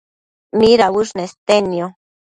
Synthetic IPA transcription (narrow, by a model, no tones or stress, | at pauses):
miɾawuʂnest̪enjo